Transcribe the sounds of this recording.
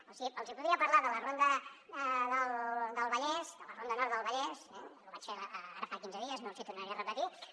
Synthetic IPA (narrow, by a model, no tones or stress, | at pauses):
osiəlˠzipuðɾiəpəɾlaðələrond̪ə | ðəlˠðəlˠβəʎɛzd̪ələrond̪ənɔɾt̪ðəlˠβəʎɛsɛ̰luβat͡ʃfeaa̰ɾəfakinzəðiəznosit̪urnəɾiərəpət̪i